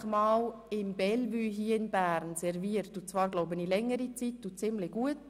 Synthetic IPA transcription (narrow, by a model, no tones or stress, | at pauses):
χmɑːlɪmbɛlvyːɦiːəɪnbæːɾnsɛɾviəɾtut͡svɑːɾɡloʊbənilɛŋːəɾit͡sitːut͡sɪmlɪɡ̥uət